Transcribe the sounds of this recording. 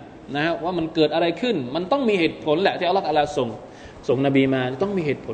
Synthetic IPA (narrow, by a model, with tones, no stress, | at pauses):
na˦˥kʰa˦˥waː˥˩ma˧nkɤː˨˩t̪̚ʔa˧ɾa˧jkʰɯ˥˩nma˧nt̪ɔ˥˩ŋmiː˧heː˨˩t̪̚pʰo˩˦nlɛ˨˩ʔ̪ʰiː˥˩a˧˦la˥˩k̪̚ʔa˧laː˧so˨˩ŋ | so˨˩ŋna˧biː˧maː˧˨˩t̪ɔ˥˩ŋmiː˧heː˨˩t̪̚pʰo˨˦